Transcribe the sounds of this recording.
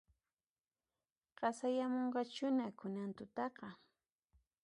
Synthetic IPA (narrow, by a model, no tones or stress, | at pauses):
ɢ̥ɑsajamoɴɢɑt͡ʃʊnakʊnant̪ʊt̪ɑqɑ